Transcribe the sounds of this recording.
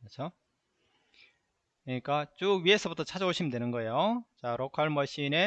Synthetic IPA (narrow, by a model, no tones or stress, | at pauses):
ɾʌt͡ɕʰo | kɯɲik͈at͡ɕ͈uɥie̞sʰʌbutʰʌt͡ɕʰad͡ʑaboɕʰimndwe̞nɯnɡʌe̞jot͡ɕaɾokʰaɭmʌɕ͈ine̞